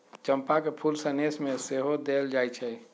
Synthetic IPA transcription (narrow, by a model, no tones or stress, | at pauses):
t͡ʃəmpakepʰulsənesmeseɦod̪eld͡ʒajt͡ʃʰɛ